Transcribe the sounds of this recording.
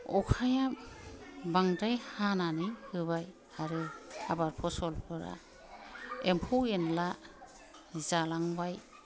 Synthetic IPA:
ɔkʰaja | baŋdajhananihɯβaj | aɾɯabaɾpʰɔsɔlpʰɯɾa̰ | empʰɔenla | zalaŋbaj

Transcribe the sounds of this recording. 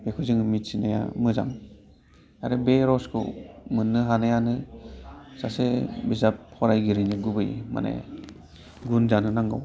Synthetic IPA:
bekʰuzɯŋmit̚sinaja̰mɯza̰m | aɾɯbeɾɔskʰɯ̰mɯnːɯɦanajanɯ | sasebizap̚hɔɾajɡiɾinɯɡubɯjma̰nḛ | ɡunzanɯnaŋɡɯw

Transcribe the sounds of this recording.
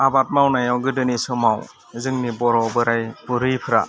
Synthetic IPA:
abat̚mawnajawɡɯdɯnisɔmaw | zɯŋnibɔɾɔbɯɾajbuɾɯjpʰɯɾa̰

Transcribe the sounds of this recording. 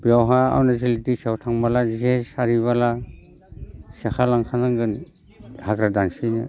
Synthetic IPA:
b̥iawɦaa̰wnazilidisawtʰaŋbalazesaɾiβala | sekʰalaŋkʰanaŋɡɯn | haɡɾadaŋsina̰

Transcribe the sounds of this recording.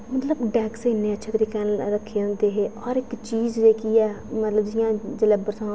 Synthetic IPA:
mət̪ləbɖɛːksinːẽːətːʃʰək̪əɾiːkɛːnəɾəkʰːẽːnd̪eːɦeːɔːɾɪkt͡ʃiːzɾeːkʰiːɛːmət̪ləbd͡ʒɪjãːd͡ʒəlɛːbəɾsʰãː

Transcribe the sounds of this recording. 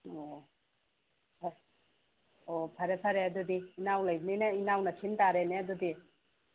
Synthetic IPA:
o | pʰ | opʰɐɾepʰɐɾeɐd̪udiːnawlajbninɐinawnɐtʰintaɾeneɐdudi

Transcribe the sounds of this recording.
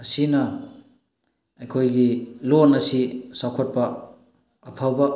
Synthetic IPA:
ɐsinɐ | ɐjkʰojɡilonɐsisawkʰot̚pɐː | pʰawbɐ

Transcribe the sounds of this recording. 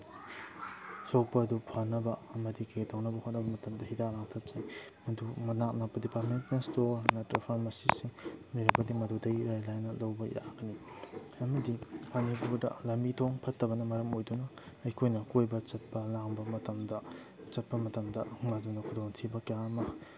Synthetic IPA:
sowpɐːdupʰanɐbɐːmɐdikedawnɐbɐpʰot̚nɐbɐmɐtɐmdɐɦidalaŋtʰat͡ʃaj | mɐdumɐnak̚napɐdipaɾmentnastoɾnatapʰaɾmasisiŋlejɾɐbɐdimɐdudɐjɾajlajnɐlɐwbɐja̰ɡɐniɐmɐdimɐnipuɾdɐ̰lɐmitʰoŋpʰɐtʰːɐbɐnɐmɐɾɐmojdunɐː | jkʰojnɐkojbɐt͡ʃɐt̚pːɐlaŋbɐmɐtɐmdɐ | t͡ʃɐt̚pːɐmɐtɐmdɐhuŋmadunɐkʰudoŋtʰibɐkijamɐ

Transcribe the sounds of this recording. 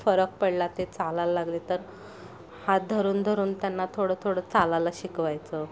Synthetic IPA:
fəɾək̚pəɽlat̪et͡salallaɡlet̪əɾ | had̪ʱəɾuːnd̪ʱəɾuːnt̪janːat̪ʰoɽət̪ʰoɽət͡salalaɕikʋajt͡sə

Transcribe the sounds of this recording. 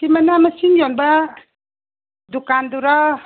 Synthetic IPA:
kimanamasiŋjɔnba | d̪ukand̪uɾa

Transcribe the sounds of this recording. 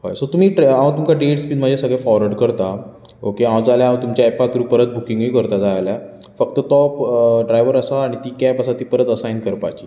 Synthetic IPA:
ɦojsot̪um̤iːʈãwt̪umkaɖeʈspiːnməd͡ʑʱesəɡɭefɔɾəɽkəɾt̪a | okeãwd͡zaljaãwt̪umt͡ɕjaepat̪ɾuːpəɾət̪̚bukĩŋɡɦiːkəɾt̪ad͡zajlja | fək̚t̪ət̪ɔpɖɾajʋəɾəsaːɽ̃it̪iːkapəsat̪iːpəɾət̪əsajnkəɾpajt͡ɕiː

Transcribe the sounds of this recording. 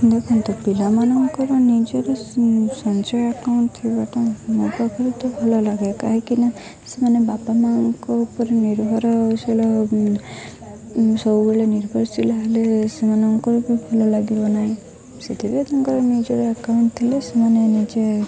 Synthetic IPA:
d̪ɔkʰɔnt̪ɔpilamanɔŋkɔɾɔnid͡ʒeɾesɔnt͡ʃajakawɳʈt̪ʰibaʈɔmɔpakʰɔɾet̪ɔbʱɔlɔlaɡekaɦikina | semanebabamaŋkɔpɔɾiniɾbʱɔɾɔselɔ | sɔbubeɭeniɾbʱɔɾt͡ʃilaɦelesemanɔŋkɔɾɔbibʱɔlɔlaɡibɔnaɦĩ | set̪ʰibed̪ɔŋkɔɾɔnid͡ʒɔɾeakawɳʈt̪ʰːilesemanenid͡ʒe

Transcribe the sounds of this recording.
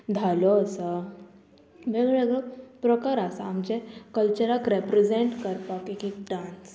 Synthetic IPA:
d̪ʱalɔəsə | ʋeɡɭeɡəpɾəkaɾasaːmd͡ʑekəlt͡ɕəɾakɾepɾed͡ʑeɳʈkəɾpakikikɖãns

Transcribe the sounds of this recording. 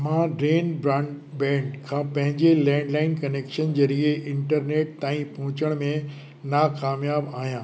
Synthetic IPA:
mãːɾeːnbɾãːɖ | bɛ̃ːɳɖkʰãːpɐ̃ɦɪ̃ɲd͡ʑelɛ̃ːɳɖlaːɪnkɐneːkʃənd͡ʑeːɾieʔɪ̃ɳʈəɾneːʈ̚t̪aːĩpɐɦʊ̃t͡ɕəɽ̃mẽ | nakaːmijaːbaːɦijãː

